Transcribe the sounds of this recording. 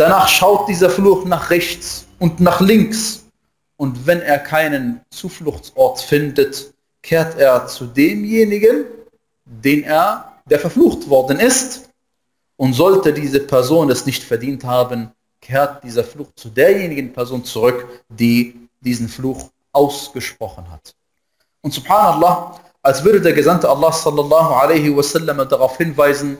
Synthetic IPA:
d̥anaːχʃaʊt̚d̥iːzɐfluːxnaːχʁɛçt͡sʔʊntnaːχlɪŋks | ʔʊntvɛneːɐkʰaɪnənt͡suːflʊxt͡sʔɔɐtfɪndət | kʰeːɐteːɐt͡sudeːmjeːnɪɡən | deːneːɐd̥eːɐfɛɐfluːxtv̥ɔɐdn̩ɪst | ʔʊntz̥ɔltədiːzəpʰɛɐzoːnɛsnɪçtfɛɐdiːnthaːbən | kʰeːɐt̚d̥iːzɐfluːxt͡sudeːɐjeːnɪɡn̩pʰɛɐzoːnt͡suʁʏkd̥iː | diːzn̩fluːx | ʔaʊsɡ̥əʃpʁ̥ɔχənha̰t | ʔʊntz̥ʊb̥ħaːnalˤˠːɑː | ʔalsv̥ʏɐdədeːɐɡəzantəalːɑːsɔlːɑlɑːɦʊʕaleɪhɪɐsɛlːɐmɐdaʁaʊfhɪnvaɪzn̩

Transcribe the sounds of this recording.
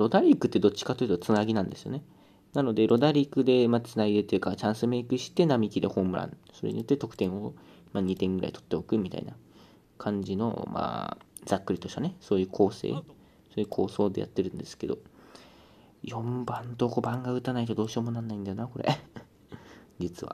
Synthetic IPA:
ɾo̞d̪aɾʲikːɯ̟t̪ːe̞d̪o̞t͡ɕːi̥kat̪o̞jiɯ̟t̪ot͡sɨnaɡʲinãnd̪e̞sɨjone̞ | nano̞d̪eɾo̞d̪aɾʲikɯ̟d̪e̞mat͡sɨnaɡʲid̪et̪ːojɯ̟kat͡ɕãɰ̃sɨme̞ikɯ̟ɕi̥t̪e̞namʲikʲid̪e̞hõ̞mɯ̟ɾã̰nso̞ɾḛɲ̟ḭjo̞t̪ːe̞t̪o̞kɯ̟̥t̪ẽ̞ɰ̃o̞ | maːɲ̟it̪ẽ̞ŋɡɯɾa̰it̪o̞̥t̪ːe̞okɯ̟mʲit̪a̰ḭna | kʰãɲ̟d͡ʑino̞̰ma̰ː | zakːɯ̟ɾʲit̪o̞ɕt̪ane̞so̞ːjɯ̟ːkʰo̞ːse̞̰ː | so̞ːjɯ̟ːkʰo̞ːso̞ːd̪e̞ja̰t̪ːe̞ɾɯ̟̃nd̪e̞sɨ̥ke̞d̪o̞̰ | jõ̞mbãnt̪o̞ko̞bãŋɡaɯ̟t̪anait̪o̞d̪o̞ːɕiomonãnːaĩnd̪ajonako̞ɾḛ | d͡ʑit͡sɨβa̰

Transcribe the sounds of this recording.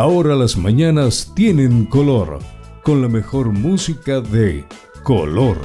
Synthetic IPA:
aoɾalazmaɲanast̪je̞ne̞ŋko̞lo̞ɾ | ko̞nlame̞xo̞ɾmusikaðe | ko̰loɾ

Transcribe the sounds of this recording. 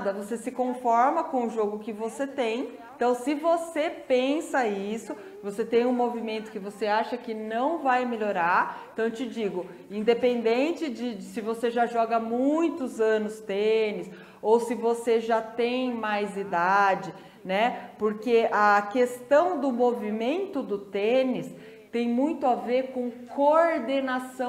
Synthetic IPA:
d̪ɐvosesɪkõfɔɾmɐkõʊʒoɡʊkɪvoset̪ẽj̃ẽt̪ɐ̃w̃sɪvosepẽsɐisʊ | voset̪ẽj̃ũmovimẽnt̪ʊ̥kɪvoseaʃɐkɪnɐ̃w̃vajmeʎoɾaɾ̃t̪ɐ̃w̃t͡ʃɪd͡ʒiɡʊ | ĩd̪epẽnd̪ẽnt͡ʃɪd͡ʒɪd͡ʒsɪvoseʒaʒɔɡɐmũj̃t̪ʊzɐ̃nʊst̪enɪs | owsɪvoseʒat̪ẽj̃majzid̪ad͡ʒɪ | nɛpoɾkeɐkest̪ɐ̃w̃d̪ʊmovimẽnt̪ʊd̪ʊt̪enɪs | t̪ẽj̃mũj̃t̪ʊaveɾkõkoɾd̪enasɐ̃

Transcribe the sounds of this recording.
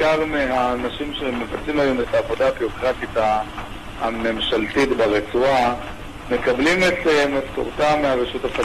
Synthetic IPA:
kaʁmeɦaːnaʃimʃemevat̪t͡simajumetaːvo̞daabiʁokʁatita | ame̞mʃaltitbeʁet͡sua | me̞kablimetemafto̰ʁt̪ameaʁeʃutapa

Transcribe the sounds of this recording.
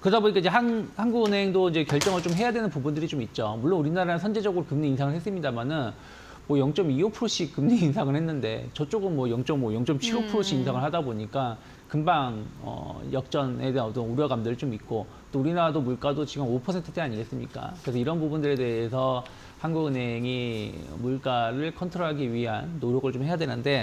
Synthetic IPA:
kɯɾʌdaboɲikaiɲd͡ʑe̞ɦanhanɡuɡɯnɦe̞ŋdoind͡ʑe̞kjʌɭt͡ɕ͈ʌŋɯɭt͡ɕ͈omɦe̞jadwe̞nɯnpubundɯɾit͡ɕomit̚t͡ɕ͈omuɭːonuɾinaɾanɯnsʰʌnd͡ʑe̞d͡ʑʌɡɯɾokɯmɲiːnsʰaŋɯɭhe̞s͈ɯmɲidamanɯn | mwʌjʌŋt͡ɕ͈ʌmiopʰɯɾoɕ͈ʰikɯmɲiːnsʰaŋɯɭhe̞nːɯnde̞̰t͡ɕʌt͡ɕ͈oɡɯnmwʌjʌŋt͡ɕ͈ʌŋmwʌjʌŋt͡ɕ͈ʌmt͡ɕʰiopʰɯɾoɕʰiinsʰaŋɯɭhadaboɲik͈a | kɯmbaŋʌ̰jʌk̚t͡ɕ͈ʌne̞deanʌtnuɾjʌɡamdɯɭt͡ɕomik͈o | t͈ouɾinaɾadomuɭk͈adot͡ɕiɡɯmopʰʌsʰe̞ntʰɯ̥t͈eaɲiɡe̞s͈ɯmɲik͈a̰kɯɾe̞sʰʌiɾʌnbubundɯɾe̞de̞esʰʌ | hanɡuɡɯnɦe̞ŋḭmuɭk͈aɾɯɭkʰʌntʰɾoɦaɡiɥiɦa̰nːoɾjʌɡɯɭt͡ɕomhe̞jadwe̞nɯnde̞

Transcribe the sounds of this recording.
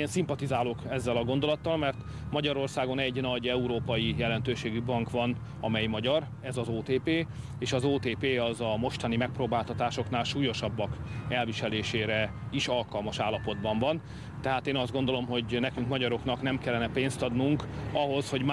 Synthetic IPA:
eːnsimpɒt̪izaːlokɛzːɛlɒɡo̞nd̪o̞lɒt̪ːɒlmɛrt̪ | mɒɟɒɾo̞rsaːɡo̞nɛɟnɒɟɛuɾoːpɒjijɛlɛn̪t̪øːʃeːɡybɒŋkʋɒn | ɒmɛjmɒɟɒr | ɛzɒzoːt̪eːpeː | eːʃɒzoːt̪eːpeːɒzɒmo̞ʃt̪ɒnimɛk̚proːbaːlt̪ɒt̪aːʃo̞knaːlʃuːjo̞ʃɒbːɒkɛlviʃɛleːʃeːɾɛ | iʃɒlkɒlmɒʃaːlːɒpo̞d̪bɒɱvɒn | t̪ɛɦaːt̪eːnɒzd̪ɡo̞nd̪o̞lo̞mɦo̞ɟnɛkyŋkmɒɟɒɾo̞knɒknɛmkɛlːɛnɛpeːnst̪ɒd̪nuŋkɒɦo̞sho̞ɟm

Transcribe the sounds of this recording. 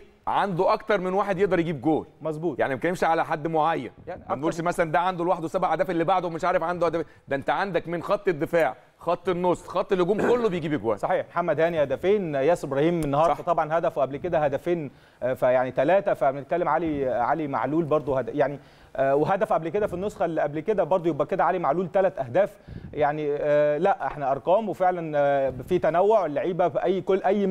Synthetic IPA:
ʕand̪oʔɑkt̪ɑɾˤmenwaːħed̪jeʔd̪ɑɾˤjeɡiːb̚ɡoːlmɑzˤbuːt̪jaʕnimækænemʃiʕalæħad̪ːmoʕajːæ̰njæbenʔuːlʃmæsælænd̪æʕand̪olwaːħed̪wesæbahːæd̪æːfelːibaʕd̪owmeʃʕaːɾefʕand̪ohæd̪æfend̪æʔent̪æʕand̪ækmenxɑt̪ˤːed̪ːefaːʕ | xɑt̪ˤːenːosˤːxɑt̪ˤːelhoɡuːmkolːobejɡiːbʔeɡwæ̰ːsˤɑħiːħmħamːæd̪hæːnihæd̪æfeːnjæːsebɾɑːhiːmːenːhɑːɾˤɑt̪ˤɑbʕɑnhæd̪æfwʔæblked̪æhæd̪æfeːn | fæjaʕnit̪ælæːt̪æfæbenet̪̚kælːemʕaliʕalima̰ʕluːlbɑɾˤd̪ˤohæd̪æjaʕni | weɦæd̪æfʔæblked̪æfinːosˤxælːʔæblked̪æbɑɾˤd̪ˤojebʔæked̪æʕalimaʕluːlt̪ælæt̪ʔæhd̪æːfjaʕnilæʔʔeħnæʔɑɾˤqɑːmwefeʕlænfiːt̪ænæwːoʕwelːaʕiːbæʔæjːkoʔæjː

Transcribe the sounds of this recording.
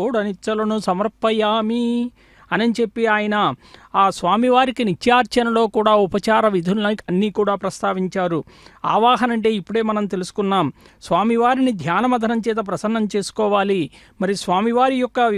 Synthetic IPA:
oɽɐnit̪sɐlɐnusɐmɐɾpɐjaːmi | ɐnɐnit͡ʃe̞pːiaːjɐnɐaːsʋaːmiʋaːɾikinit͡ʃːjaːɾt͡ʃɐnɐlo̞ːkuːɽaːupɐt͡ʃaːɾɐʋid̪ʱuɐɐnːiːkuːɽaːpɾɐst̪ʰaːʋiɲt͡ʃaːɾua̰ːʋaːɦɐnɐɳʈe̞ːipːuɽe̞ːmɐnɐmt̪e̞lusu̥kunːaːmsʋaːmiʋaːɾinid̪ʱjaːnɐmɐd̪ʱɐnɐmt͡ʃɛːt̪̬ɐp̬ɾɐsɐnːɐmt͡ʃe̞ːsu̥kɔːʋaːli | mɐɾisʋaːmiʋaːɾijɔkːɐ

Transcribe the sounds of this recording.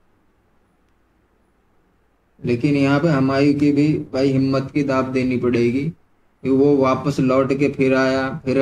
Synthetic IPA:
leːkɪnjɐɦãpeɦɐmaːɾikibʱibaiɦɪmːət̪kid̪aːb̚d̪eːnipɐɽeːɡiː | kiʋoʋaːpəslɔːʈkepʰɪɾaːjapʰɪɾ

